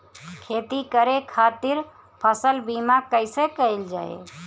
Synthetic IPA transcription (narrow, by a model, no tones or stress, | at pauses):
kʰet̪ikəɾekʰat̪iɾ | pʰəsəlbimakəɪsẽkəjld͡ʒa̰ḛ